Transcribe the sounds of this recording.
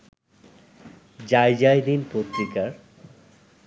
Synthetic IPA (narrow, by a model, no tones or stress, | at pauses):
d͡ʑajd͡ʑajd̪inpot̪ɾikaɾ